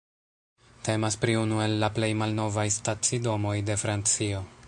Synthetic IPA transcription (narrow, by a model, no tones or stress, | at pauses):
te̞maspɾiunue̞lːaple̞jmalno̞vajstat͡sido̞mo̞jde̞fɾant͡sio̞